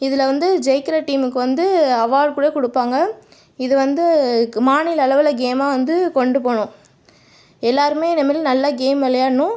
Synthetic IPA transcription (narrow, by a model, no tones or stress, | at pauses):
ɪðɪlɐʋɐnd̪ɯd͡ʒɛɪkɐɾɐʈiːmɯkːɯʋɐnd̪ɯɐʋaːɭkuːɽekʊɽɯpːaːŋɡɐ | ɪðɯʋɐnd̪ɯmaːɳɪlɐɭɐʋɪlɐɡeːmaːʋɐnd̪ɯkɔɳɖɯpoːɳʊ̃ | ɛlːaːɾɯmeːnɐmːɐlɯ̃nɐlːɐɡeːmʋɛlɐjaːnːʊ̃